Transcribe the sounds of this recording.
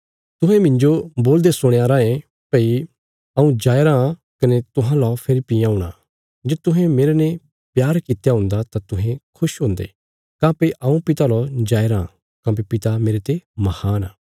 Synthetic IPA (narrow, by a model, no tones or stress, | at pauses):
t̪ʊɦɛ̃mɪ̃ɲd͡ʒoboːld̪esʊɽ̃eaːɾaẽ | pɐi | ɐũd͡ʒaːeɾã | kɐnet̪ʊɦãlɔpʰeɾipiãːũɽ̃a̰ | d͡ʒeːt̪ʊɦɛ̃meːɾenẽ | pjaːɾkɪt̪ejaɦʊ̃ːnd̪at̪at̪ʊɦɛ̃kʰʊʃɦõːnd̪ḛ | kãːpeʔɐũpɪt̪alɔd͡ʒaːeɾã | kãːp̬epɪt̪ameːɾet̪emɐhaːnaː